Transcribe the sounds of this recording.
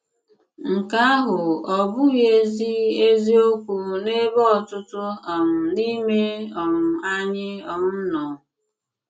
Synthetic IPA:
ŋ̩˨ka˦a˦ɦʊ˨ɔ˨bʊ˦ɣe˦zi˦e˦zi˦o˦kʷu˨ne˦bɔ˦ɔ˨tʊ˦tʊ˦a˨m̩˨ni˦me˦ɔ˨m̩˨a˦ɲɪ˦ɔ˨ŋʊ˦n̩˦nɔ˨

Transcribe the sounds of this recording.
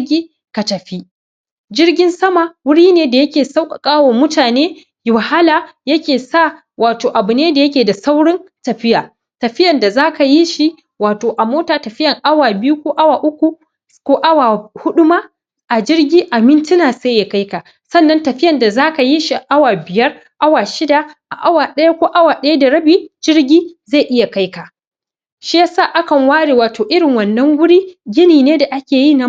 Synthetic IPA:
ɡʲiː˦ | ka˨tɐ˨ɸi˦ | d͡ʒɪ˦rɡʲɪ˦nsɐ˦ma˨wʊ˦ɽiː˦neː˦da˨jɐ˦kʲeː˨sa˦wkʼa˨kʼaː˦woː˨mʊ˦taː˨neː˦ | jʊ˨ha˦laː˨jɐ˦kʲeː˨sa˦˨ | waː˨toː˨ʔa˨bʊ˨neː˦da˨jɐ˦k̬ʲeː˨da˨sa˦wɽɪ˦ntɐ˨ɸɪ˦jaː˨ | tɐ˨ɸɪ˦jɐ˨nda˨zaː˦ka˨ji˦ʃi˦ | waː˨toː˨ʔa˨moː˦taː˨tɐ˨ɸɪ˦jɐ˨ŋʔa˦waː˨bɪ˦ju˦kʷoː˦ʔa˦waː˨ʔʊ˦kʷu˨ | kʷoː˦ʔa˦waː˨hʊ˦ɗʊ˦maː˦ | ʔa˨d͡ʒɪ˦rɡʲiː˦ʔa˨mɪ˦ntɪ˦naː˨seː˦ja˨ka˦jka˨ | sɐ˦nːɐ˦ntɐ˨ɸɪ˦jɐ˨nda˨zaː˦ka˨ji˦ʃi˨ʔa˦waː˨bɪ˨jɐ˦r | ʔa˦waː˨ʃɪ˦da˨ʔa˨ʔa˦waː˨ɗɐ˦ja˦kʷoː˦ʔa˦waː˨ɗɐ˦ja˦da˨ɽɐ˦biː˨d͡ʒɪ˦ɽɡʲiː˦za˦˨ʔɪ˦ja˨ka˦jka˨ | ʃi˦ja˦sa˦˨ʔa˦kɐ˨ŋwaː˦ɽeː˨waː˨toː˨ʔɪ˦ɽɪ˨ŋwɐ˨nːɐ˦ŋɡʊ˦ɽiː˦ɡʲɪ˦niː˨neː˦da˨ʔa˦kʲeː˨jiː˦˨na˦

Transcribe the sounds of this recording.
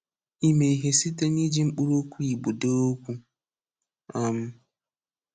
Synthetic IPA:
i˦me˨i˨ɦe˨si˦te˦ni˦d͡ʒi˦ŋ͡m̩˦k͡pu˦ɾo˦kʷu˦i˨ɡ͡bu˨do˦o˦kʷu˦ | a˨m̩˦

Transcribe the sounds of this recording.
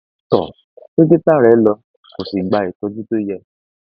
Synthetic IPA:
tɔ̰˨ | e˦ɡe˦ta˦˨ɾɛ˨˦lɔ˧ | ko˨si˨ɡ͡ba˧˨e˨tɔ˧di˦to˦jɛ˧

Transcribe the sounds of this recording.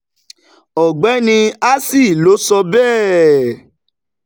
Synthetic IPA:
ɔ˨ɡ͡bɛ˨˦nĩ˧a˦si˦˨lo˨˦sɔ˧bɛː˦˨

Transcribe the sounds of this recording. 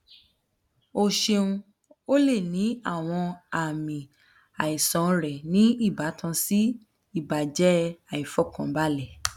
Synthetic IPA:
o˧˨ʃe˧ũ˧ | o˦le˦˨nĩ˨˦a˦˨w̃ɔ̃˧a˦˨mĩ˨ | a˨i˨sɔ̃˨˦˧ɾɛ˨nĩ˨˦i˦˨ba˨˦tʰã˧si˦ | i˦˨ba˨d͡ʒɛ˨˦a˨i˨fɔ˦˨kã˨˦ba˦lɛ˦˨

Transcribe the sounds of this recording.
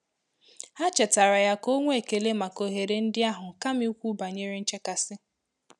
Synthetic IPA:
ha˦t͡ʃe˨ta˨ɾa˨ja˦ko˦ŋʷ˦e˦˨ke˨le˦ma˨ko˨ɦe˨ɾe˨n̩˦dɪ˦a˦ɦʊ˨ka˦mi˦u˦kʷu˦ba˨ɲe˦ɾi˦n̩˦t͡ʃe˦ka˨sɪ˦

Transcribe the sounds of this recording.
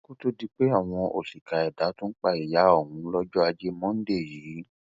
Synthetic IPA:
ko˦to˦di˦k͡pe˦a˦˨w̃ɔ̃˧ʔo̰˨si˨ka˨ɛ˨da˨˦tũ˦n̩˦k͡pa˦˨i˨ja˨˦o˦˨hũ˨˦lɔ˦d͡ʒɔ˦a˧d͡ʒe˦mɔ̃˦n̩˦de˦˨jiː˨˦

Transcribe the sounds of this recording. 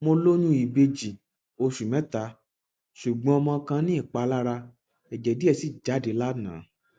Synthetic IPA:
mo˧lo˦ɲũ˦i˨be˧d͡ʒi˨ | o˧ʃu˨mɛ̃˨˦ta˨˧˦ | ʃu˨ɡ͡bɔ̃˧ɔ˧mɔ̃˧kã˧nĩ˦i˦˨k͡pa˨˧˦la˦ɾa˧ | ɛ˨d͡ʒɛ˨di˦ɛ˧˨si˦˨d͡ʒa˨˦de˨˦la˦nã̰ː˨˦

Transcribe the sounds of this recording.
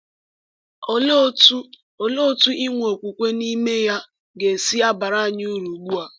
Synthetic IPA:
o˨lo˦tu˦ | o˨lo˦tu˦ʔɪ˦ŋʷo˨kʷu˨kʷe˦ni˦me˦ja˦ | ɡe˨si˦a˦ba˨ɾa˦a˨ɲ˦u˦ɾu˨ɡ͡bu˦a˨

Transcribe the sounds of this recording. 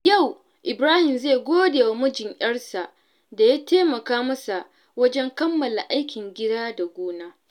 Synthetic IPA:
ja˦˨w | ʔɪ˨bɾaː˦hɪ˨mzeː˦˨ɡʷoː˦deː˨wa˨mʊ˦d͡ʒɪ˨ŋʔʲɐ˦ɽsa˨ʔ | da˨jaː˦teː˦mɐ˨kaː˦mɐ˦sa˨ʔ | wɐ˦d͡ʒɛ˦ŋkɐ˦mːɐ˨la˨ʔa˦jkʲɪ˨ŋɡʲɪ˦daː˦da˨ɡʷoː˦naː˦

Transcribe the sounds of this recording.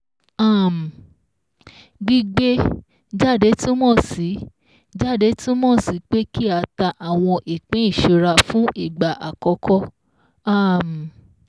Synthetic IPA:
a˦˨m˨ | ɡ͡bi˦ɡ͡be˦ | d͡ʒa˦˨de˨˦tĩ˦mɔ̃˦˨si˨˦ | d͡ʒa˦˨de˨˦tĩ˦mɔ̃˦˨si˨˦k͡pe˦ki˦a˧˦ta˧ʔa˦˨w̃ɔ̃˧ʔi˨k͡pẽ˨˦i˦˨ʃu˧ɾa˧fũ˦ʔi˦˨ɡ͡ba˨ʔa˨kɔ˧˦kɔ˦ | a˦˨m˨

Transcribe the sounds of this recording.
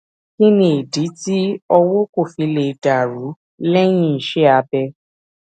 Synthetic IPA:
ki˦nĩ˨e˨di˨˦ti˦ɔ˧wo˦ko˦˨fi˧le˨da˨ɾu˨˦ | lɛ˦j̃ĩ˦˨ʃɛ˦a˧bɛ˧

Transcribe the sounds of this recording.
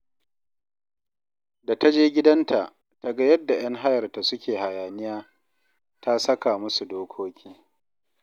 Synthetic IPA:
da˨ta˦d͡ʒeː˦ɡʲɪ˦dɐ˦ntʰa˨ʔ | ta˨ɡa˦jɐ˦dːa˨j̰ɐ˦ŋɦa˦jɐ˨rta˨sʊ˦kʲʰeː˨ha˨jaː˨nɪ˦jaː˦ | ta˦sɐ˦ka˨mʊ˦su˨doː˦kʷʰoː˦kʲʰiː˦

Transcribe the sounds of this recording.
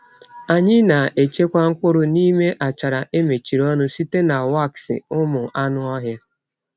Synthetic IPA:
a˨ɲɪ˦na˨ʔe˨t͡ʃe˦kʷa˦ŋ̩˦kʷʊ˦ɾʊ˦ni˦me˦ʔa˨t͡ʃa˨ɾa˨ʔe˦me˨t͡ʃi˨ɾɔ˦nʊ˦si˦te˦na˨wa˦˨ksɪ̰˨ʊ˦mʊ˨ʔa˦nʊ˦ɔ˦ɦja˦

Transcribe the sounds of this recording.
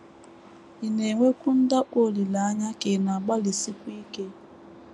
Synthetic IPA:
i˨ne˨ŋʷe˦kʷu˦n̩˦da˦ʔo˦˨li˨la˨a˦ɲa˦ke˨na˨ɡ͡ba˦li˨si˦kʷu˦i˦ke˦

